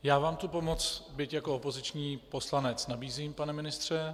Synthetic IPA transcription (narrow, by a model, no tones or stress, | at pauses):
jaːvaːmt̪upo̞mo̞t͡sbɪcjakoopo̞zɪt͡ʃɲiːpo̞slanɛt͡snabiːziːmpanɛmɪnɪst̪r̝̥ɛ